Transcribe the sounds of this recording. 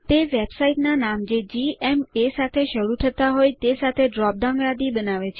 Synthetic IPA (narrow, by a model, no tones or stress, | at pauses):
t̪eʋebsaiʈnanamd͡ʒed͡ʒiemesat̪ʰeʃəɽut̪ʰət̪aɦojt̪esat̪ʰeɖɾɔp̚danʋad̪ibənaʋet͡ʃʰ